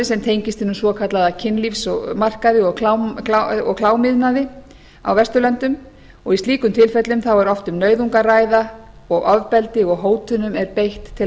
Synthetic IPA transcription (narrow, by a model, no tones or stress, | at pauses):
ɪsɛmt̪ʰeːjɲcɪst̪ɪnːmsvɔkʰat̪laðacʰɪnlifsɔɣmar̥kaðɪɔɣkʰlawaɔ̰ɣkʰlaːwmɪðnaðɪ | a̰wvɛst̪ʏlœnt̪ʏm | ɔɣisiːkʏmt̪ʰɪlfɛt̪lʏmθawɛɾɔft̪ʏmnœːɥðuŋkaraːjðaɔɣavpɛlt̪ɪɔɣɦoːwt̪ʰʏnʏmɛɾpejht̪ʰːɪ